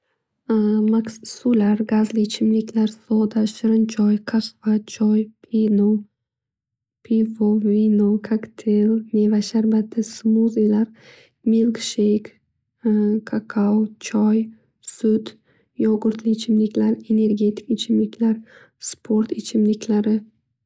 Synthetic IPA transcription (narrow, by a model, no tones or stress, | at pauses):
maksulaɾɡazlit͡ʃʰɪmlɪkʲʰlaɾsɔd̪aʃɪɾɪnt͡ʃʰɒjkʰaqvat͡ʃʰɒjpʰino | pʰivovinokʰakt̪ʰelne̞vaʃaɾbat̪ʰːɪsmuzejlaɾ | melkʃejk | kʰakʰawt͡ʃʰɒj | sʊd̪ | jɒɡʊɾt̪lit͡ʃʰɪmlɪkʲlaɾe̞ne̞ɾɡʲe̞t̪ʰɪ̥kɪt͡ʃʰɪmlɪkʲʰlaɾ | spʰoɾt̪ɪt͡ʃʰɪmlɪkʲʰlaɾɪ